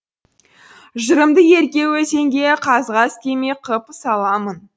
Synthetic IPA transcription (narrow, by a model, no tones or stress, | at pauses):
ʒəɾəmd̪əje̞ɾkʲe̞wɵse̞ŋɡʲe̞qʰɑzʁɑskʲʰemeqʰəpsɑlˠɑmən